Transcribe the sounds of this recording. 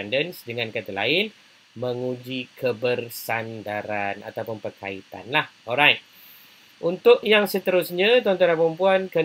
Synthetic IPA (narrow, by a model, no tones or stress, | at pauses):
ɛndənsdəŋãnkat̪ala̰ɪn | mə̃ŋud͡ʒikʰəbərsandaɾana̰t̪awpʊnpərka̰it̪a̰nlahɔɾajt̪̚ | ʔunt̪ʊʔjaŋsət̪əɾʊsɲãt̪ɔnt̪ɔɾanpəɾəmpuankə